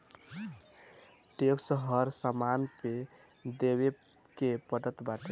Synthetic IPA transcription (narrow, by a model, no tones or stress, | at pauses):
ʈeksəɦəɾsəmanpe | d̪eβe | kepəʈət̪baʈʰe